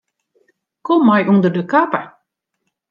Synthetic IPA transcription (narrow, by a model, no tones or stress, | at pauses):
kɔmːajʔundərdəkapə